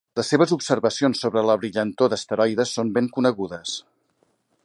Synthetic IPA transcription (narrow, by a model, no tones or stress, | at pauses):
ləsːeβ̞əzupsərβəsionsːoβɾələβɾiʎənt̪oðəst̪əɾɔjðəsombeŋkunəɣuðəs